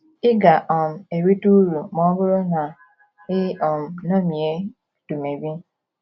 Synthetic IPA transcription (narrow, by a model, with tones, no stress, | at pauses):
ɪ˦ɡa˨ʔɔ˨m̩˨e˨wi˦tu˦ɾu˨mɔ˦ɡʊ˦ɾɔ˦na˨ | ɪ˦ɔ˨m̩˨no˦mi˨e˦ | tu˨me˨bi˦